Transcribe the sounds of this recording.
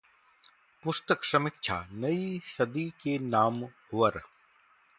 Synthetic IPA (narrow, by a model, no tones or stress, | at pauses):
pʊst̪əksɐmɪk̚t͡ʃʰa̰ːnɐisɐd̪ikenaːmɦʊʋəɾ